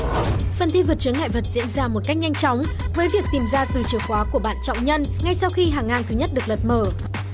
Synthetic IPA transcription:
fə˨˩nt̪ʰi˧vɨ˨˩t̚t͡ɕɨ˨˦əŋha̰ː˧˨jvə˨˩t̚zḭ˧˥ənzaː˧mo˨˩t̚ka˦˥jk̟̚ɲa˧jŋ̟t͡ɕɔ˨˦wŋ͡mvəː˨˦jvi˨˩ək̚t̪i˨˩mzaː˧t̪ɨ˨˩t͡ɕi˨˩əwxwaː˨˦ku˧˩əɓa̰ː˧˨nt͡ɕɔ̰˧˨wŋ͡mɲə˧nŋa˧jsa˧wxi˧ɦaː˨˩ŋːaː˧nt̪ʰɨ˨˦ɲə˦˥t̚ɗɨ˨˩ək̚lə˨˩t̚məː˧˩

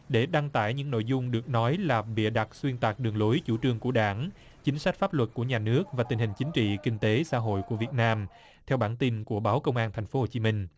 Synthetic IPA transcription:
ɗe˧˩ɗa˧ŋt̪a̰ː˧˩˨jɲɨ̰˧˥ŋno̰˧˨jzʊ˧ŋ͡mɗɨ˨˩ək̚nɔ˨˦jlaː˨˩ɓḭ˧˨ɗa˨˩t̚swi˧ənt̪aː˨˩k̚ɗɨ˨˩əŋlo˨˦jt͡ɕu˧˩t͡ɕɨ˨˧˩əŋku˧˩əɗaː˧˩n | t͡ɕï˨˦ŋ̟sa˦˥k̟̚faː˦˥p̚lwə˨˩t̚ku˧˩əɲaː˨˩nɨ˦˥ək̚vaː˨˩i˨˩ŋhï˨˩ŋ̟t͡ɕï˨˦ŋ̟t͡ɕḭ˧˨kï˧ŋ̟t̪e˨˦sa̰ː˧˥ɦo̰˧˨jku˧˩əvi˨˩ət̚naː˧m | t̪ʰɛ˧wɓaː˧˩nt̪i˧nku˧˩əɓaː˨˦wkə˧wŋ͡mʔaː˧nt̪ʰa˨˩ŋ̟fo˨˦ho˨˩t͡ɕi˨˦mï˧ŋ̟

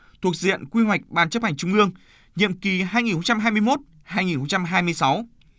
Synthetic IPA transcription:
t̪ʰu˨˩ək̚zḭ˧˨ənkwi˧ɦwa˨˩jk̟̚ɓaː˨˩nt͡ɕə˦˥p̚ha˨˩jŋ̟t͡ɕʊ˨˧˦ŋ͡mʔɨ˧əŋ | ɲḭ˧˨əmki˨˩ɦaː˧jŋi˨˩nhxə˧wŋ͡mt͡ɕa˧mɦaː˧jmɨ˧əjmo˦˥t̚ | haː˧jŋi˨˩nxə˧ŋ͡mt͡ɕa˧mɦaː˧jmɨ˧əjsa˨˦w

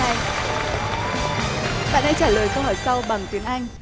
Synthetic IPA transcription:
a˧j | ɓa̰ː˧˨nha˧jt͡ɕaː˧˩ləː˨˩jxə˧whəː˧˩jsa˧wɓa˨˩ŋt̪wi˨˦ənʔa˧jŋ̟

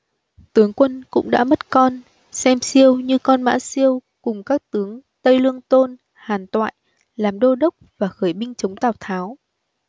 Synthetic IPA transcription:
t̪ɨ˨˦əŋkwə˧nkʊ̰˧˥ŋ͡mɗa̰ː˧˥mə˦˥t̚kɔ˧n | sɛ˧msi˧əwɲɨ˧kɔ˧nma̰ː˧˥si˧əw | kʊ˨˩ŋ͡mkaː˦˥k̚t̪ɨ˨˦əŋt̪ə˧jlɨ˧əŋt̪o˧n | haː˨˩nt̪wa̰ː˧˨j | laː˨˩mɗo˧ɗə˦˥wk͡p̚vaː˨˩xəː˧˩jɓï˧ŋ̟t͡ɕə˨˦wŋ͡mt̪aː˨˧˩wt̪ʰaː˨˦w

